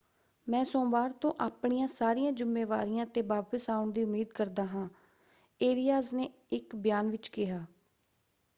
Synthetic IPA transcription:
mɛ̃ːsõːʋaːɾt̪õːʔaːpɳijãːsaːɾiːãːd͡ʒʊmːeːʋa̰ːɾijãːt̪eːʋaːpəsaːʊɳd̪iːʊmːiːd̪kəɾd̪aːɦãː | eːlijaːzneː | ɪkbjaːnʋɪt͡ʃkɪɦaː

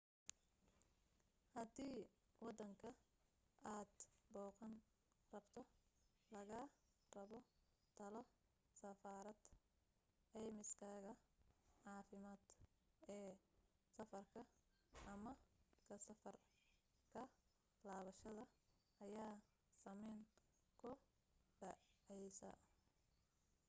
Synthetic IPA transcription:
hɐd̪iːwɑd̪ɐŋkʰɐ | aːd̪bɔːqɐn | rɐbt̪ʰɔ | lɐɣaː | rɐβɔ | t̪ʰɐlɔ | sɐfaːɾɐd̪̥ | ʕɛjmɪskʰaːɣɐʕɑːfɪmaːd̪ | ɛː | sɐfɐrkʰɐ | ɐmɐkʰɐsɐfɐr | kʰɐ | laːβɐʃɐðɐ | ɐjaː | sɐmɛjŋ | kʰʊ | ɖɐʕʕɛjsɐ̰

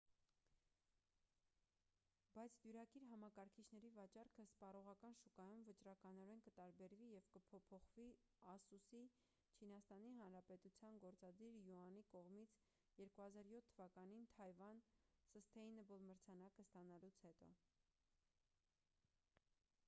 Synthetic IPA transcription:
bɑjt͡sʰd̪juɾɑkiɾɦɑmɑkɑɾkʰit͡ʃʰnɛɾivɑt͡ʃɑrkʰəspɑɾɔʁɑkɑnʃukɑjumvət͡ʃɾɑkɑnɔɾɛnkət̪ɑɾbɛɾvijɛvkəpʰɔpʰɔχvi | ɑsusi | t͡ʃʰinɑst̪ɑniɦɑnɾɑpɛt̪ut͡sʰjɑnɡɔɾt͡sɑd̪iɾjuɑnikɔʁmit͡sʰ | jɛɾkuhɑzɑɾjɔt̪ʰːəvɑkɑnint̪ʰɑjvɑnsəst̪ʰɛjinɛbɔlməɾt͡sʰɑnɑkəst̪ɑnɑlut͡sʰhɛt̪ɔ̰

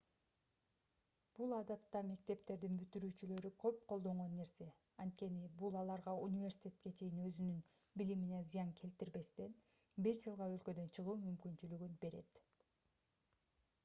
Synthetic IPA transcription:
b̥ulˠɑd̪ɑt̪ːɑme̞k̚t̪e̞p̚t̪e̞ɾd̪inbyt̪yɾyːt͡ʃylø̞ɾykʰø̞p̚qʰolˠd̪o̞ɴʁo̞nːe̞ɾse̞ | ɑnt̪̚ke̞nibulˠɑlˠɑɾʁɑunʲivʲe̞rsi̥t̪ʲe̞t̪̚ke̞t͡ʃʰe̞jinø̞zynyn | bilimine̞zɨjɑŋkʰe̞lt̪iɾbe̞st̪e̞n | be̞ʃd͡ʒɯlˠʁɑø̞lkø̞d̪ø̞nt͡ʃʰɯʁuːmymkynt͡ʃylyɡynbe̞ɾe̞̰t̪

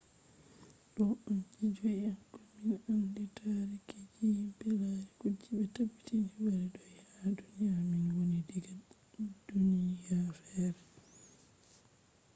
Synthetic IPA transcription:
ɗɔʔand͡ʒid͡ʒɔjankɔminanditʰaɾiked͡ʒibɛlaɾikud͡ʒːiɓɛtabi̥tinibɛɾɛɗɔjhadunijaminwonidiɡa | dunijafɛːɾɛ

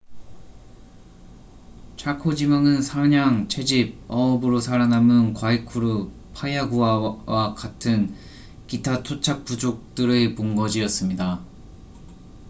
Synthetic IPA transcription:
t͡ɕʰakʰod͡ʑimaŋɯnsʰaɲaŋt͡ɕʰe̞d͡ʑib̚ʌʌbɯɾosʰaɾanamɯnkwaikʰuɾu | pʰajaɡuawakatʰɯn | kitʰatʰot͡ɕʰak̚p͈ud͡ʑok̚t͈ɯɾepoŋɡʌd͡ʑiʌs͈ɯmɲida

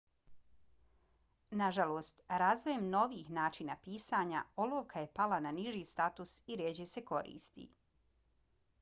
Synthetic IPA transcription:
naʒaloːst̪ɾaːzʋoje̞mno̞ʋiːxnaːt͡ʃinapiːsaɲa̰oloːʋkʰaje̞palananiʒiːst̪at̪usiɾeːd͡ʑeseko̞ɾḭːst̪ḭ

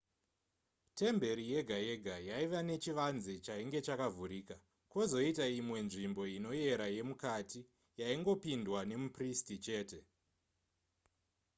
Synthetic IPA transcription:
te̞mbe̞ɾije̞ɡʱaje̞ɡʱajaiʋane̞t͡ʃiʋanzet͡ʃaiŋɡe̞t͡ʃakavʱuɾiːka | ko̞zo̞itaimwe̞nʐimbo̞ino̞je̞ɾaje̞mukati | jaiŋɡo̞pindwane̞mupristit͡ʃe̞ːte̞

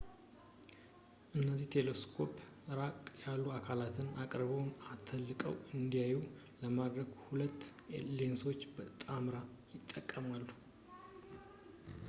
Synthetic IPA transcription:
ʔɨnːəziht̪ʰe̞leskʰo̞pɨɾakʼjalːuakʰalat̪ʰɨnakʼɾβəwnat̪ʰəlːɨkʼəwɨnd̪ijaju | ləmad̪ɾəɡhulət̪ːlenso̞t͡ʃːbət̪ʼamɾa | jɪt̪ʼːəkʼːəmalːu

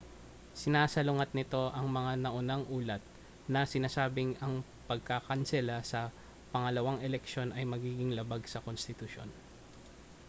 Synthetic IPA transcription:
sɪnaːsɐlʊŋat̪̚nɪt̪o̞ʔɐŋmɐŋanɐʔʊnaŋʔuːlɐt̪̚ | nɐsɪnaːsaːbɪŋɐŋ | pɐɡ̚kakɐnsɛlɐsɐ | pɐŋɐlɐwaŋɛlɛkʃo̞nʔɐjmɐɡiːɡɪŋlɐbaɡsɐko̞nst̪ɪt̪ʊʃo̞̰n

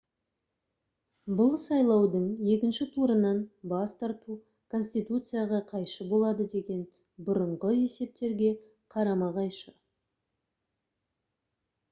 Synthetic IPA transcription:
bʊlˠsɑjlˠɑwd̪əɴje̞kʲɪnʃɪt̪ʰuɾənɑnbɑst̪ɑɾt̪u | kʰo̞nsʲt̪ijt̪ut̪sɨjaʁɑqʰɑjʃəbo̞lˠɑd̪əd̪e̞ɡʲe̞n | bʊɾəɴʁəe̞se̞p̚t̪e̞ɾɡʲe̞ | qʰɑɾɑmɑʁɑjʃə

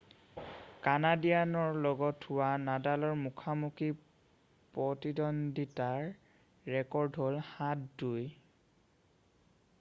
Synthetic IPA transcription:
kanadijanɔɹlɔɡɔtʰːʊwanadalɔɹmukʰamuki | pɹɔtidɔnditaɹː | ɛkɔɹdɦolhat̚duj

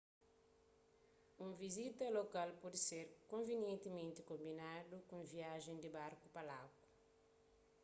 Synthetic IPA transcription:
ũvizit̪ɐlokalpɔd̪iseɾkõnvenjẽnt̪imẽnt̪ikõmbinad̪ukũviaʒẽnd̪ibaɾkupalaku̥

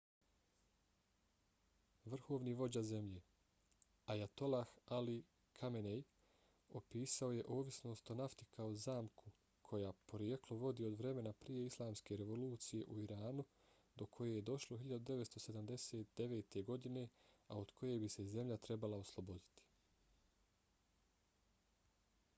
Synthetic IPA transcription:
ʋr̩xo̞ːʋniʋo̞d͡ʑaze̞mʎe̞ː | ajat̪o̞laxali | kʰamenej | opiːsao̞je̞ʔo̞ːʋisno̞ːst̪o̞naft̪ikʰao̞zaːmkʰu | kʰo̞jaːpo̞ɾjeklˠo̞ʋo̞d̪iːo̞d̪ʋɾe̞me̞napɾije̞islˠaːmske̞ɾe̞ʋo̞luːt̪sije̞ʔuiɾaːnu | d̪o̞kʰo̞je̞je̞d̪o̞ʃlˠoɦiʎad̪ud̪e̞ʋet̪st̪o̞se̞d̪amd̪e̞se̞ːt̪̚d̪e̞ʋe̞ːt̪e̞ɡo̞d̪ine̞ao̞d̪̥kʰo̞je̞biseze̞mʎat̪ɾe̞balˠao̞slˠobo̞d̪i̥t̪i̥

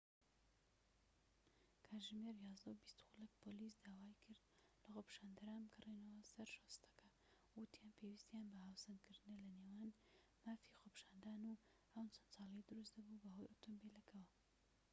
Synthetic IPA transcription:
kʰaːʒmeɾjɑzd̪ɐubist̪xulek̚pʰolisd̪aːwaːikʰɨɾd̪̚lɐxopiʃaːnd̪ɐɾaːnbɨɡɐrenɐwɐsɐɾʃost̪ɐ̥kʰɐ | wut̪ʰjanpʰewist̪janbɐhaːwsɐnkʰɨɾd̪ɨnɐlɐneːwaːn | maːfixopi̥ʃaːnd̪aːnu | ɐwt͡sʰɐnsɑːlˠɐjɐd̪ɨɾusd̪ɐbubɐhojʔot̪ʰombilɐkʰɐwɐ

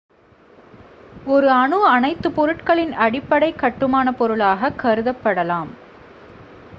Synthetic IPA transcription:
ɔɾɯɐɳɯɐnɐɪt̪ːɯpɔɾɯʈkɐɭɪnɐɽɪpːɐɽɐɪkːɐʈːɯmaːnɐpɔɾɯɭaːɣɐkːɐɾɯðɐpːɐɽɐlaːm

